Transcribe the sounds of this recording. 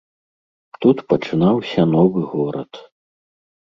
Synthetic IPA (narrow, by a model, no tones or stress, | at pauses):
t̪ut̪pɐt͡ʂɨnawsʲɐnɔvɨɣɔɾɐ̰t̪